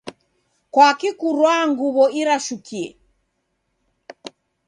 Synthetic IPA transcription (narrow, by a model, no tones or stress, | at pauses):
kwakikuɾwaŋɡuβɔiɾaʃukiɛ̰